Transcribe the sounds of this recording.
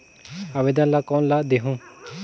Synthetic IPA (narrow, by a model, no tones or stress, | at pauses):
aʋed̪ãnlakɔːnlad̪eɦũː